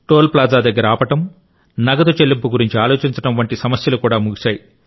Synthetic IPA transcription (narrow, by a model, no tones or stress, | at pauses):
ʈoːlplaːd͡ʒaːd̪ɐɡːɐɾɐaːpɐʈɐm | nɐɡɐd̪ut͡ʃelːimpuɡuɾiɲt͡ʃiaːlo̞ːt͡ʃiɲt͡ʃɐɽɐmʋɐɳʈisɐmɐsjɐlukuːɽaːmuɡiʃaːji